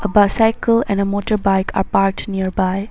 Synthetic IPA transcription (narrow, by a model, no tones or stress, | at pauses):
əbasaɪkəlɛ̃nɖəmoːʈəɾbaɪkʰa̰ɾpaɾk̚ʈniəɾbaɪ